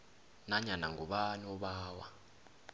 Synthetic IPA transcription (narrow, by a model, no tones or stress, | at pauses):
naɲanaŋɡuɓanɔɓaːwa